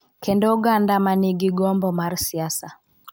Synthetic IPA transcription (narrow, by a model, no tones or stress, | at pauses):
kɛndɔuɡandamaniɡiɡɔmbɔmaɾsiasa